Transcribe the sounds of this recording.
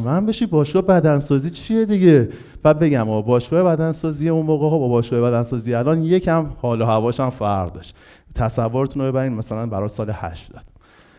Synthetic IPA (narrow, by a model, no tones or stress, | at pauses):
mæmbe̞ʃibɒːʃɡɒːebæd̪ænsɒːziːt͡ʃʰijed̪iɟe | b̥æːd̪̚be̞ɟæmɒbɒːʃɡ̥ɒːhebæd̪ænsɒːzijeunmoːɣɣobɒbɒːʃɡɒːjebæd̪ænsɒːziælɒːnje̞cʰæmhɒːlɒhævɒːʃæmfæɾʁd̪ɒʃt̪ | t̪ʰæsævːoɾet̪ʰunobe̞bæɾiːnmæsælænbæɾɒːsɒːlehæ̰ʃd̪̥ɒ̥ːd̪̥